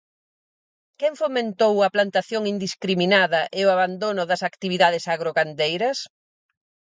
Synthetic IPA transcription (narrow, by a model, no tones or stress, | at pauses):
kɛŋfomẽnt̪owɐplant̪aθjoŋind̪iskɾiminaðɐʔeʊaβand̪onʊðɐsakt̪iβiðað̞ɪsaɣɾoɣand̪ejɾɐs